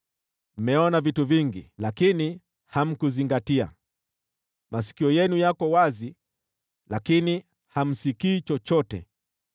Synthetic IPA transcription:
m̩mɛɔnavituviŋɡilakini | ham̩kuziŋɡatia̰ | mʔasi̥kiɔjɛnujakɔwazi | lakini | ham̩sikiːt͡ʃɔt͡ʃɔtɛ̰

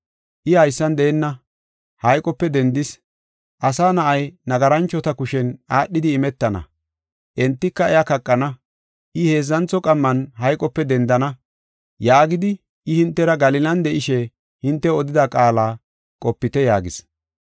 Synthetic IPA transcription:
ʔɪhɐjsːɐnd̪ɛːnːɐ | hɐjkʼɔpːɛd̪ɛnd̪ɪs | ʔɐsaːnɐʔɐjnɐɡɐɾɐnt͡ʃːɔt̪ɐkʊʃɛnaːɗːɪd̪ɪːmɛt̪ːɐnɐ̰ | ʔɛnt̪ːɪkːɐɛjakɐkʼːɐnɐ | ʔɪhe̞ːzːɐnt͡sɔkʼɐmːɐnɦɐjkʼɔpːɛd̪ɛnd̪ɐnɐ | jaːɡɪd̪ɪ | ʔɪhɪnt̪ːɛɾɐɡɐlɪlɐnd̪ɛʔɪʃɛ | hɪnt̪ːɛɔd̪ɪd̪ɐkʼaːlaː | kʼɔpːɪt̪ɛjaːɡɪs

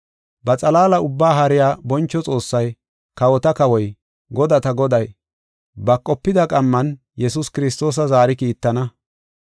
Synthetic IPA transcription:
bɐt͡sʼɐlaːlɐʊbːaːɦɐɾɪjaːbɔnt͡ʃːɔt͡sʼo̞ːsːɐj | kɐwɔt̪ɐkɐwɔj | ɡɔd̪ɐt̪ɐɡɔd̪ɐj | bɐkʼːɔpːɪd̪ɐkʼɐmːɐn | jɛsʊskɪɾɪst̪o̞ːs̬ɐzaːɾɪkiːt̪ːɐnɐ

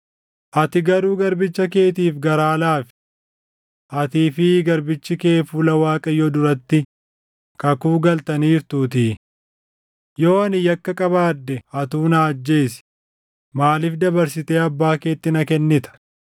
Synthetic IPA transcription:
ʔɐt̪ɪɡɐɾuːɡɐɾbɪt͡ʃːɐk̬e̞ːt̪̬iːfɡɐɾaːlaːfɪ̥ | ʔɐt̪iːfɪɡɐɾbɪt͡ʃːɪke̞ːfuːlɐwaːkʼɐjɔd̪ʊɾɐt̪ːɪ | kɐkuːɡɐlt̪ɐniːɾt̪uːt̪ɪː | jo̞ːɐnɪjɐkːɐkʼɐβaːd̪ːɛɐt̪uːnaːɐd͡ʒːe̞ːsɪ̥ | maːlɪfd̪ɐbɐɾsɪt̪eːɐbːaːke̞ːt̪ːɪnɐkɛnːɪt̪ɐ̥

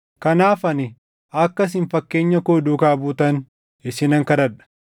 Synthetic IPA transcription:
kɐnaːfɐnɪ | ɐkːɐs̬ɪnfɐkːe̞ːɲːɐkoːd̪uːkaːbuːt̪ɐn | ɪsɪnɐŋkɐɾɐᶑɐ̥

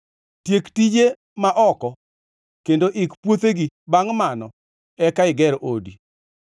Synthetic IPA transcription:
tjektid͡ʒe | maʔɔkɔ | kendoʔɪkpwot̪eɡibaŋmanɔ | ɛkaɪɡɛɾʔodḭ

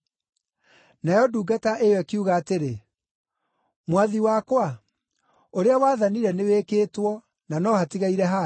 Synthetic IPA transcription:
najɔduːɡataʔewɛkiuɣaːteɾe | mwaðiwakwa | oɾeawaðaniɾɛneweːkeːtwɔ | nanɔhatiɣaiɾɛɦa

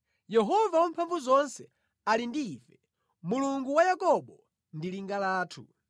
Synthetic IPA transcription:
jɛɦɔvawampʰaɱvuzɔnsɛ | alindiːfɛ | muluŋɡuwajakɔɓɔ | ndiliŋɡalaːtʰṵ

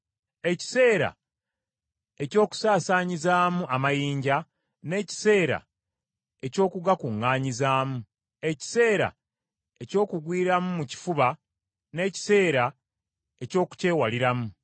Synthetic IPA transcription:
e̞ci̥se̞ːɾa̰ | e̞co̞ːku̥saːsaːɲizaːmuamajiːɲɟa | ne̞ːci̥se̞ːɾa̰ | e̞co̞ːkuɡakuŋːaːɲizaːmu | e̞ci̥se̞ːɾa̰ | e̞co̞ːkuɡwiːɾamumuci̥fuβa | ne̞ːci̥se̞ːɾa | e̞co̞ːku̥ce̞ːwaliɾamu

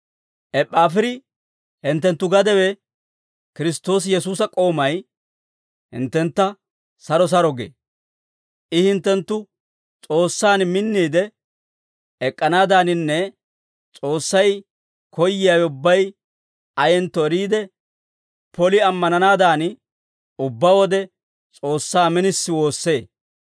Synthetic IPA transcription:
ʔɛpʼːaːfɪɾɪ | hɪnt̪ːɛnt̪ːʊɡɐd̪ɛwɛ | kɪɾɪst̪o̞ːs̬jɛsuːsɐkʼo̞ːmɐj | hɪ̰nt̪ːɛnt̪ːɐ | sɐɾɔs̬ɐɾɔɡḛː | ʔɪhɪnt̪ːɛnt̪ːʊ | t͡sʼo̞ːsːaːnmɪnːiːd̪ɛ | ɛkʼːɐnaːd̪aːnɪnːɛ | t͡sʼo̞ːsːɐj | kʰɔjːɪjaːwʊbːɐj | ɐjɛnt̪ːɔɛɾiːd̪ɛ | pɔlɪɐmːɐnɐnaːd̪aːnɪ | ʊbːaːwɔd̪ɛ | t͡sʼo̞ːsːaːmɪnɪsːɪwo̞ːsːe̞ː

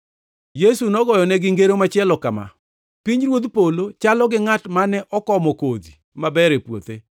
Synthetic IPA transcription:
jesunɔɡɔjɔnɛɡɪŋɡeɾomat͡ʃɪɛlɔkama̰ | piɲɾwod̪polot͡ʃalɔɡɪŋatmanɛʔɔkɔmɔkod̪i | mabɛɾepwo̰t̪e

